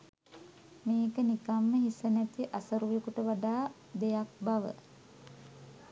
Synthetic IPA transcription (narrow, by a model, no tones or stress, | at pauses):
meːkənikamːəɦisənæt̪iʔasəɾujekuʈəʋaɖaː | d̪ejak̚baʋə̰